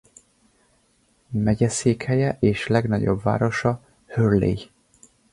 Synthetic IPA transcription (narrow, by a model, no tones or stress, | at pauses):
mɛɟɛseːkhɛjɛʔeːʃlɛɡnɒɟo̞̰bva̰ːɾo̞ʃɒ | hørlḛːj